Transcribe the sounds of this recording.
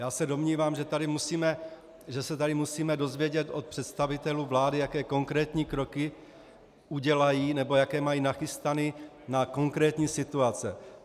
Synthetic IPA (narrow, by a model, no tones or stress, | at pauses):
jaːsɛdo̞mɲiːvaːmʒɛt̪adɪmusiːmɛ | ʒɛsɛt̪adɪmusiːmɛdo̞zvjɛɟɛt̪o̞t̪̚pr̥ɛt̪st̪avɪt̪ɛluːvlaːdɪjakɛːko̞ŋkɾɛːt̪ɲiːkɾo̞kɪ | uɟɛlajiːnɛbo̞jakɛːmajiːnaxɪst̪ani | nako̞ŋkɾɛːt̪ɲiːsɪt̪uat͡sɛ